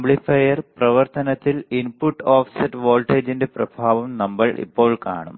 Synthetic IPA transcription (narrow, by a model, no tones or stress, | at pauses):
mbɭifɐjɐrprɐʋɐrt̪ɐnɐt̪ːilinpuʈːoːfsɐtʋoːɭʈeːd͡ʑinde̞prɐbʱaːʋɐmnɐmbɐɭʔḭpːo̞ːɭka̰ːɳum